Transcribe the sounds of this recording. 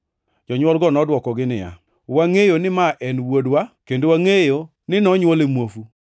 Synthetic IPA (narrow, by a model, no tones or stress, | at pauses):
d͡ʒɔɲwɔlɡɔnɔdwɔkɔɡɪnɪja̰ | waŋejonɪmaʔɛnwodwakendowaŋejo | nɪnɔɲwolemwofu